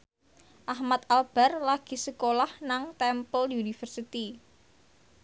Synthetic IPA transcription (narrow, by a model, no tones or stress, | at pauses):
ʔahmat̪alb̥a̤rlaɡ̥i̤səkolahnaŋt̪ɛmpəljunifərsit̪i